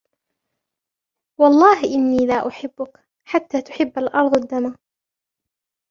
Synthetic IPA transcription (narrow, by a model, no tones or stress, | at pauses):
wɑlˤːɑːɦɪʔɪnːiːlaːʔʊħɪbːʊk | ħat̪ːaːt̪ʊ̥ħɪbːalʔɑɾˤd̪ˤad̪ːamaː